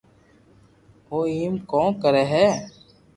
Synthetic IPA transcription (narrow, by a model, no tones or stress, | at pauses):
oːiːmkɔ̃ːkəɾɛːɦɛː